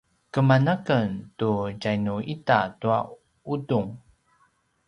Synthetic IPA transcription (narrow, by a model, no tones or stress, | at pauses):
kəmanəkəntuɟajnuʔitatua̰ | uduŋ